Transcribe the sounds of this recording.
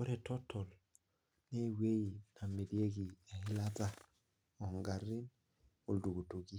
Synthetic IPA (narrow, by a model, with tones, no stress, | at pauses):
o˦ɾɛ˨tɔ˦tʰːɔ˨l | ne˦we˦i˨na˨me˨di˦e˦k̬i˨a˨hi˦la˦ta˦ | ɔ˨ŋɡa˨ri˦n | o˨ldu˨ɡu˨tu˨ki˦